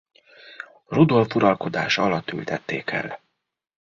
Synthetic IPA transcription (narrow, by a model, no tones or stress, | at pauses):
rud̪o̞lfuɾɒlko̞d̪aːʃɒlɒt̪ːylt̪ɛt̪ːeːkʰɛ̰l